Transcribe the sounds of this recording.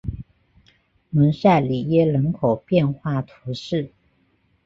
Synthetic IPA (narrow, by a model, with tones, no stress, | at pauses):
mə˧˥nsa˥˩ɪli˨˩jɛ˥lə˧˥nkʰo˨˩ʊpjɛ˥˧nxwa˥˩t̪ʰu˧˥ʂɻ̩˥˩